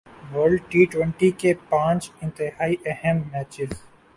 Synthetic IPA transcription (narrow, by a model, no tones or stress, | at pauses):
ʋəːɾɖʈiːʈwə̃ɳʈikepãːt͡ʃɪ̃nt̪ɪɦaːiʔɛhɛmːɛːt͡ʃɪz